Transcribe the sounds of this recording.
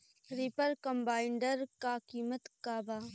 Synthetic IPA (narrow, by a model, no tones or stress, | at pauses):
ɾipəɾkɐmbaːɪɳɖəɾkaːkiːmət̪kaːbaː